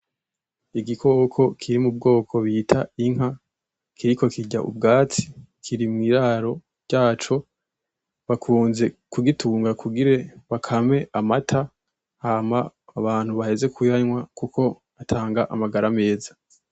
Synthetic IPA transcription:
iɡikʰo̞ːkʰo̞kʰiɾimub̚ɡo̞ːkʰo̞βitʰaiŋ̥ɦa | kʰiɾiko̞kiɟa̰ʔṵb̚ɡaːt͡si̥kʰiɾimŋiːɾaɾo̞ | ɾɟaːt͡ʃo̞ | βakʰuːnze̞kuɡitʰuːŋɡakʰuɡiɾe̞βakʰame̞ʔamatʰa | haːmaːβaːn̥huβahe̞ze̞kujaɲwakukʰo̞ | atʰaːŋɡaʔamaɡaɾame̞ːza

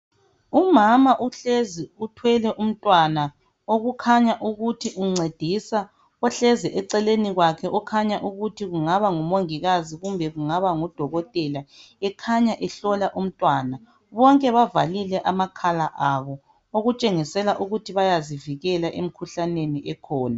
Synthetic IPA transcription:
umamaʔuɬeziutʰwɛlɛʔum̩tʼwana | oɣukʰaɲaʔuɣutʰiʔuŋ͡ǀed̥ʱisa | ɔɬɛzɛʔɛǀɛleniɣwakʰɛʔɔkʰaɲaʔuɣutʰiɣuŋaβaŋumoŋiɣaziɣumbʱɛɣuŋaβaŋud̥ʱɔɣɔtʼɛla | ɛkʰaɲaʔɛɬɔlaʔum̩tʼwaːna | βɔŋkʼɛβavalilɛʔamakʰalaʔaβɔ | oɣut͡ʃʼeŋisɛlaʔuɣutʰiβajaziviɣɛlaʔem̩kʰuɬaneniʔɛkʰɔːna

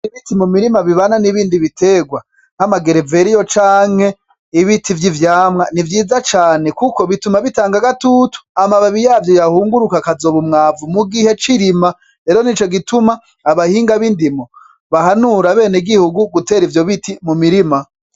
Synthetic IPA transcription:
iβitimumiɾimaβiβananiβiːndiβitʰe̞ːɡwa | nhamaɡeɾeve̞ɾijo̞t͡ʃaːŋ̥he̞ | iβitʰivjivjaːmŋanivjiːzat͡ʃaːnekuko̞βitumaβitaːŋɡaɡatutu̥amaβaβijaːvjo̞jahuːŋɡuɾukakazo̞ːβumŋaːvumuɡihe̞t͡ʃiɾima | ɾe̞ːɾo̞nit͡ʃo̞ɡitumaː | βahiːŋɡaβindimo | βahanuɾaβe̞ːneɡihuɡuɡute̞ːɾivjo̞βitimumiɾima

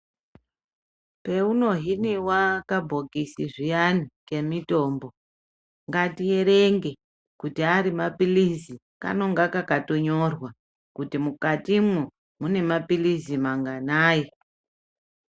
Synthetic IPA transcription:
pe̞uno̞ɦiniwakabʱo̞kisiʐijanike̞mito̞ːmbo | ŋɡatijeɾeŋɡe̞ | kutiaɾimapilizi | ka̰no̞ŋɡakakato̞ɲo̞rwa | kutimukatimwu | mune̞mapilizimaŋɡanaːji

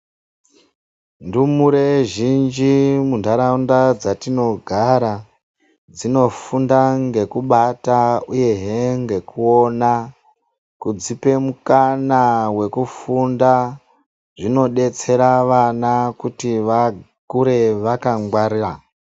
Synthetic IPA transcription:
ndumuɾeʒind͡ʒimundʱaɾaundad͡zatino̞ɡʱaɾa | d͡zino̞fundaŋɡe̞kuɓatauje̞ɦeŋɡe̞kuo̞na | kud͡zipe̞mukanawe̞kufunda | ʐino̞ɗe̞t͡se̞ɾaʋanakutiʋa | kuɾe̞ʋakaŋɡwaɾira

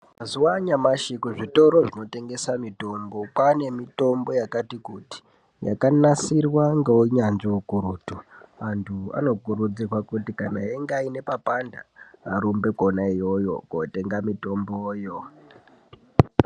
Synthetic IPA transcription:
mazuwaɲamaʃikuʐito̞ɾo̞ʐino̞te̞ŋɡe̞samito̞mbokwane̞mito̞mbo̞jakatikuti̥ | ja̰kanasirwaŋɡeuɲanʐiwukuɾuːtuantʰua̰no̞kuɾud͡zirwakutikanaeŋɡaine̞papandaːɾumbe̞konaijo̞jo̞̰kote̞ŋɡamito̞mboːjo

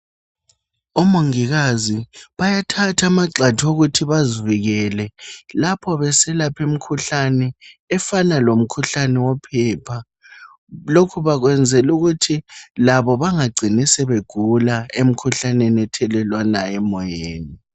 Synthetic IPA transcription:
ɔmoŋiɣaziβajatʰatʰamaǀatʰoɣutʰiβaziviɣɛlɛlapʰɔβɛsɛlapʰem̩kʰuɬanɛːfanalom̩kʰuɬanɛwɔpʰɛːpʰa | lokʰuβaɣwɛnd͡zʱɛluɣutʰilaβɔβaŋaɡ͡ǀʱinisɛβeɡ̥ʱulaem̩kʰuɬanɛnɛtʰɛlɛlwanaɛmɔjeːni

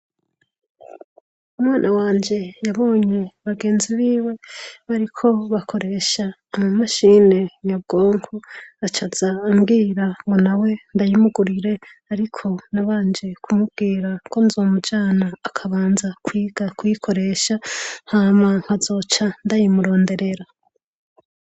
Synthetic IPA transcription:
umwaːnʔawaːɲd͡ʒe̞jaβo̞ːɲe̞βaɡe̞ːnziβiːwe̞βaɾikʰo̞βakʰo̞ɾe̞ːʃaː | mamaʃiːne̞ɲab̚ɡo̞ːŋkoat͡ʃaz̥aːmɡiːɾaŋɡo̞nawe̞ndajimuɡuɾiɾe̞ | aɾikʰo̞naβaːnd͡ʒe̞kʰumub̚ɡiːɾakʰo̞nzo̞ːmud͡ʒaːnaːkʰaβaːnzakʰwiːɡ̥akujikʰo̞ɾe̞ʃahamaŋ̥hazo̞t͡ʃandajimuɾo̞ːnde̞ɾe̞ɾa

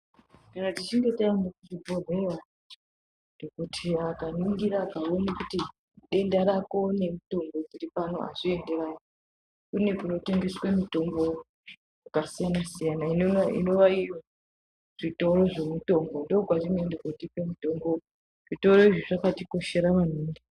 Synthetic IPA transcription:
kanatit͡ʃiŋɡe̞taandokuʐibʱo̞rera | ndokutʰiakaniŋɡiɾakawonakuti | ɗe̞ndaɾako̞ne̞muto̞mbo̞d͡ziripano̞̰ʔa̰ʐie̞nde̞rajo | kune̞kuno̞teŋɡeswemito̞mbo̞ | jakasijanasijanainḭno̞ʋaijo | ʐ̥ito̞ɾo̞ʐe̞muto̞mbo̞ndoːkwaʐiŋendekotipemuto̞mbo̞ | ʐ̥ito̞ɾo̞iʐiʐakatiko̞ʃe̞ɾamaneːnde

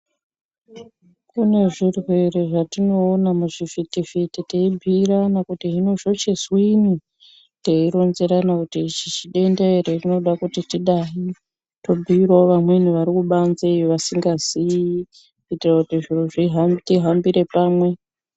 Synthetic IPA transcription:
kune̞ʐiruweɾeʐatino̞ːnamuʐifitifititeibʱiranakutiɦino̞ʐo̞t͡ʃezwini | teiɾo̞nzeɾanakutit͡ʃit͡ʃiɗe̞ndeeɾerino̞ɗakutitiɗaɦi | to̞bʱiirwaoʋamwen̤uʋaɾikuɓanzeʋasiŋɡaz̥i | itirakutiʐir̤uʐiɦatiɦambiɾe̞paːmwe̞

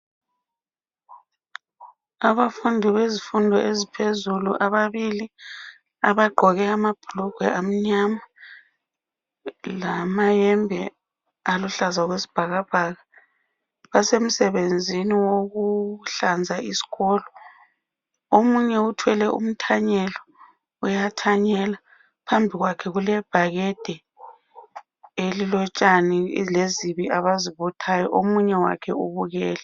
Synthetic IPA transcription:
aβafundʱiβezifundʱɔʔezipʰezuluʔaβaβili | aβaɡ͡ǃʱɔɣɛamab̥ʱlɔɡ̥ʱwɛʔam̩ɲama | lamajɛmbʱɛ | aluɬazaɣwesi̥b̥ʱaɣab̥ʱaɣa | βasem̩sɛβend͡zʱiniwoɣuɬand͡zʱaʔisi̥ɣɔːlɔ | omuɲɛutʰwɛlɛʔṵm̩tʰaɲɛlɔ | ujatʰaɲɛla | pʰambʱiɣwakʰɛɣulɛb̥ʱaɣɛd̥ʱɛ | elilɔt͡ʃʼanileziβiʔaβaziβɔtʰajɔʔomuɲɛwa̰kʰɛuβuɣɛːlɛ

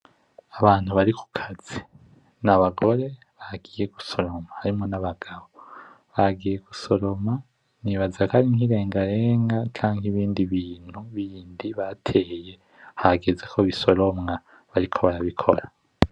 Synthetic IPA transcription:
aβaːn̥huβaɾiku̥kʰaz̥i | naβaɡo̞ɾe̞ | βaɡiːje̞ɡuso̞ɾo̞mahaɾimo̞naβaɡ̥aβo | βaɡiːje̞ɡuso̞ɾo̞ma | niβazakaɾiŋhiɾe̞ːŋɡaɾeːŋɡat͡ʃaːŋhiβiːndiβiːn̥huβiːndiβatʰeːje̞ | haɡezekʰo̞βiso̞ɾo̞mŋa | βaɾikʰo̞βaɾaβikʰo̞̰ɾa

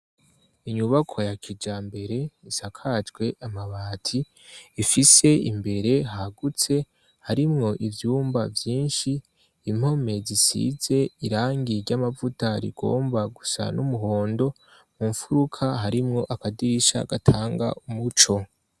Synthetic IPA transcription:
iɲuβakʰo̞jakʰid͡ʒaːmbe̞ɾe̞isakʰad͡ʒɡwe̞ʔamaβaːtʰi | ifise̞ḭmbe̞ɾe̞ɦaɡut͡se̞ | haɾimŋo̞ʔivjuːmbavjiːnʃiː | m̥ho̞me̞zisḭze̞iɾaːŋɡiɾɟamavutaɾḭɡo̞̰ːmbaɡusa̰numuɦo̞ːndo̞ | muɱfuɾukʰaɦaɾimŋo̞ʔakadiɾiʃa̰ɡatʰaːŋɡa̰ʔumut͡ʃo̞

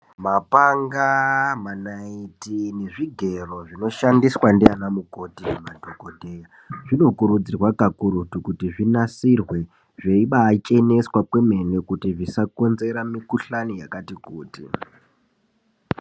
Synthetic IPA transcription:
mapaŋɡamanaitineʐiɡʱe̞ro̞ʐino̞ʃandiswandianamuko̞tiemadʱokodʱe̞ːja | ʐino̞kuɾud͡zirwakakuɾutukutiʐinasirwe̞ | ʐeiɓaːt͡ʃe̞ne̞swapwe̞me̞ne̞kutiʐisako̞nze̞ɾamikuɬanijakatikuːtḭ

